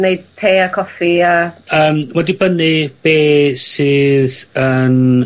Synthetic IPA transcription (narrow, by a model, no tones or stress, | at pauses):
neɨd̚tʰːeːakʰɔfiaəːmwɛdibənɨb̥eːsɨːðən